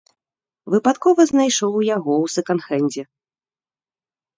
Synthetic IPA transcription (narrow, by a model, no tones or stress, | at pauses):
vɨpat̪kɔvɐznajʂɔwjaɣɔwsɨkanxɛnʲd͡zʲɛ